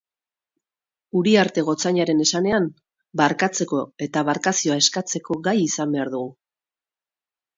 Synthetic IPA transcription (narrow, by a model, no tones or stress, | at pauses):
uɾiaɾt̪e̞ɣ̞o̞t͡saɲaɾe̞ne̞sane̞am | baɾkat͡se̞ko̞e̞t̪aβaɾkasio̞ae̞skat͡se̞ko̞ɣajisambe̞aɾðuɣu